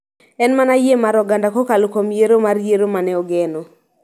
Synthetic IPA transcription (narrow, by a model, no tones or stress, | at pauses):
ɛnmanajemaɾɔɡandakokalokomjeɾomarjeɾomanɛɔɡɛno